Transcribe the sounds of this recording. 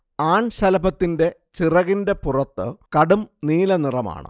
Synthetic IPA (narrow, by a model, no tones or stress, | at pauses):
aːɳɕɐlɐbɐt̪ːinde̞ | t͡ɕirɐɣinde̞purɐt̪ːɨkɐɽumniːlɐnirɐma̰ːɳɨ̰